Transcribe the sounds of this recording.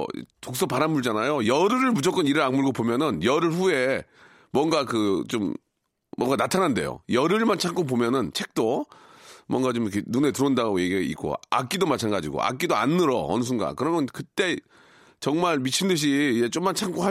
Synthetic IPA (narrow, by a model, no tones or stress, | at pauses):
tok̚s͈ʌpaɾanmuɭd͡ʑanajojʌɾɯɾɯɭmud͡ʑʰʌk͈ʌniɾɯɾaŋmuɭɡopomjʌnɯnjʌɾɯɭɸue̞ | mwʌŋɡakɯt͡ɕomː | wʌŋɡanatʰanande̞̰jo̰jʌɾɯɭmant͡ɕʰaŋk͈op̬omjʌnɯnt͡ɕʰe̞k̚t͈o | mwʌŋɡat͡ɕomknune̞tɯɾoɯndaɡoje̞ɡiaḭk͈o̰a̰k͈idomat͡ɕʰanɡad͡ʑiɡo̰ʔa̰k͈idoa̰nːɯɾʌʌnɯs̬ʰunɡa̰kɯɾʌmjʌnkɯt͈e̞ | t͡ɕʌŋmaɭmit͡ɕʰindɯɕ̬ʰiːd͡ʑet͡ɕ͈omant͡ɕʰaŋk͈oɦa